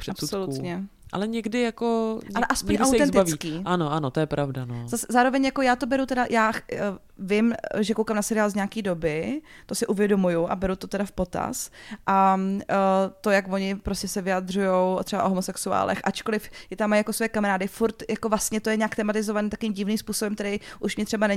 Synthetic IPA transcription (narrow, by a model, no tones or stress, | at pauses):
pr̥ɛaspusolut̪ɲɛʔa̰lɛɲɛɡdɪjakoalɛʔaspoɲʔawt̪ɛnt̪avikiːʔanoʔanot̪ojɛpɾavdanozasɛzaːɾovɛɲjako̞jaːt̪obɛɾut̪ɛdajaː | vɪmʒɛkowkaːmnasɛɾɪjaːlzɲakiːdo̞bɪ | t̪o̞sɪʔuvjɛdo̞mujuʔa̰bɛɾut̪o̞t̪ɛdafpot̪a̰sʔa | t̪o̞jakvo̞ɲɪpɾoscɛsɛvɪjad̪rujo̞wt̪r̥ɛba̰ʔoɦomosɛksua̰ːlɛ̰xʔat͡ʃkolɪfjɪt̪amːajakosvo̞jɛkamaɾaːdɪfuɾt̪jako̞vlast̪ɲɛt̪o̞jɛɲaːkt̪ɛmat̪ɪzovaniːt̪akovimɟɪvniːmspuːsobɛmkt̪ɛɾɛjʔuʃmɲɪt̪r̝̥ɛbanɛɲ